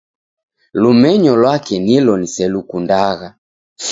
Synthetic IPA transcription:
lumɛɲɔlwakɛnilɔnisɛlukundaɣa

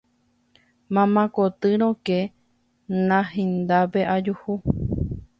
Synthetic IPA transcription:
mãmãkot̪ɨɾ̃õke | nãhĩnd̪apeʔad͡ʒuhu

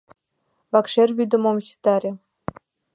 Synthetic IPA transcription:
vɑkʂerʲvʲyd̪ə̆momɕi̥t̪ɑɾʲĕ

